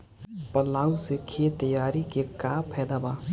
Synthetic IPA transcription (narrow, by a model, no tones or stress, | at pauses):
pəlaːusekʰet̪əjaːɾikekaːpʰɛːd̪abaː